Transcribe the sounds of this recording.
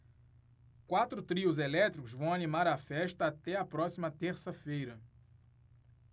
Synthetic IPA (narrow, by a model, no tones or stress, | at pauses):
kwat̪ɾʊt̪ɾiʊzelɛt̪ɾikʊzvɐ̃w̃anĩmaɾɐfɛʃt̪ɐːt̪ɛɐpɾɔsimɐt̪eɾsɐfejɾɐ